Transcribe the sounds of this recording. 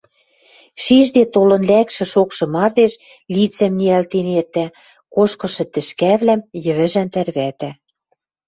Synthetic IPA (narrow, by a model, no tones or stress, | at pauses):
ʃiʒd̪et̪olɤ̆nlækʃɘ̆ʃokʃɤ̆mɑrd̪eʃ | lit͡sæmniælt̪enert̪æ | koʃkɤ̆ʃɤ̆t̪ɘ̆ʃkæβlæmjɘ̆βɘ̆ʒænt̪ærβæt̪æ